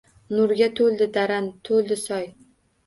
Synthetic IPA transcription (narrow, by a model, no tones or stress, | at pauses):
nʊɾɡʲat̪ʰɵlˠd̪ɪd̪aɾant̪ʰold̪ɪsɒj